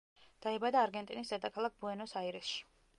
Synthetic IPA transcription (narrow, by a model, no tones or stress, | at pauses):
d̪̥aɛbad̪aːɾɡɛnt̪ʼinisd̪ɛd̪akʰalˠak̚ʰbuɛnɔsaiɾɛsʃi̥